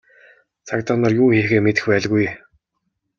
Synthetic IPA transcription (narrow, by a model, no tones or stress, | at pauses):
t͡sʰakt̪ɔnɔ̆rjuːxeːxeːmet̪ɘ̆xpæːɮɣuj